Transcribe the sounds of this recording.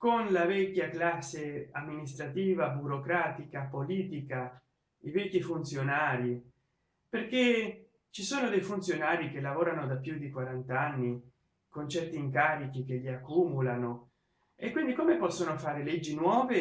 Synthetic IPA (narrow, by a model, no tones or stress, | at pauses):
konlavɛkːaklasːeamːinist̪ɾat̪iːvabuɾokɾaːt̪ikapoliːt̪ika | ivɛkːifunt̪sjonaːɾi | perke | t͡ʃisoːnod̪ejfunt̪sjonaːɾik̟elːavoːɾanod̪apːjud̪ikwaɾant̪anːi | kont͡ʃɛrt̪iːŋkaːɾik̟ikeʎiakːumulano | ekːwind̪ikomepɔsːonofaːɾeled͡ʒːinwɔːve